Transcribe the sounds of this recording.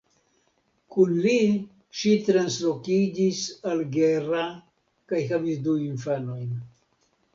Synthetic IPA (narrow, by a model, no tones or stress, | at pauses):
kunli | ʃit̪ɾanslokid͡ʒisalɡera | kajhavisd̪uinfano̞jn